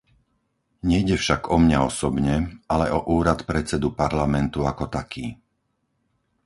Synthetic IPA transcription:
ɲɛjɟɛfʃaɡɔmɲaɔsɔbɲɛalɛʔɔʔuːɾat̪pɾɛt͡sɛd̪upaɾlamɛnt̪uakɔt̪akʰiː

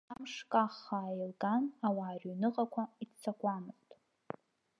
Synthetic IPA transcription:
amʂkʼaχːaːjilɡanawaːrʲynɨqʼakʷʰaitt͡sʰakʷʼamɨztʼ

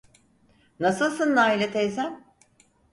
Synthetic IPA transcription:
nasɯlˠsɯnːaːilʲɛt̪ʰezæn

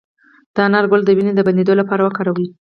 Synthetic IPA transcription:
d̪̥əanɑɾɡʊld̪əwined̪əband̪ed̪olapɑɾawəkɑɾawi

